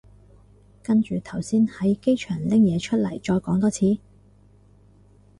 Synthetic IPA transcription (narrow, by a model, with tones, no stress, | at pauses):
kɐ˥nt͡ʃyː˨˧t̪ʰɐ˨˩wsiː˥nhɐ˨˥jke˥jt͡ʃʰœː˨˩ŋlɪ˥ŋjɛː˨˧t͡ʃʰɵ˥t̚lɐ̰˨˩jt͡ʃɔː˧jkɔː˨˥ŋt̪ɔː˧t͡sʰiː˨˥